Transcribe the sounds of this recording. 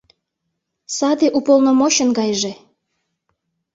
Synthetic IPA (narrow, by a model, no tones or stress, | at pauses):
sɑd̪eʔupolnomoɕə̆nɡɑjʒe